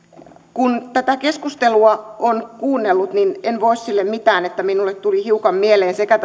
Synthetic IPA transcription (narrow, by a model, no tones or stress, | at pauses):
kunt̪æt̪ækeskust̪eluɑonkuːnːelːut̪ninenʋoissilːemmit̪æːnet̪ːæminulːet̪t̪ulihiukɑmmieleːnsekæt̪